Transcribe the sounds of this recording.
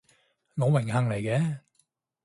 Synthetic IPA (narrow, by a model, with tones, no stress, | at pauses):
ŋɔː˨˧wɪ˨˩ŋhɐ˨ŋle˨˩jkɛː˨˧˥